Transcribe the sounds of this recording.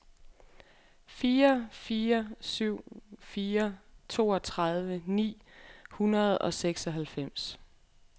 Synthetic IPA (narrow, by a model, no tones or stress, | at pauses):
fiːɐfiːɐsyʊ̰fiːɐt͡sʰo̝ːɒ̽t͡sʰʁɑð̞ˠʋənḭː | hunɐð̞ˠɒ̽seɡ̥sɒ̽ɦælfem̰s